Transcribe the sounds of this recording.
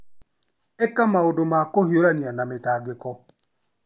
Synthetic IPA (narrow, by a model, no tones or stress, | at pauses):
ekamaodomakohioɾanianametaɡekɔ